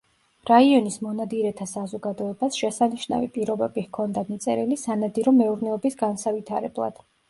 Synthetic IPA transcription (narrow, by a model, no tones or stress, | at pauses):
ɾaiɔnismɔnad̪iɾɛt̪ʰasazɔɡad̪ɔɛbasʃɛsaniʃna̰vipʼiɾɔbɛbihkʰɔnd̪anit̪sʼɛ̰ɾilisanad̪iɾɔmɛuɾnɛɔbisɡansavit̪ʰaɾɛ̰blˠa̰d̪̥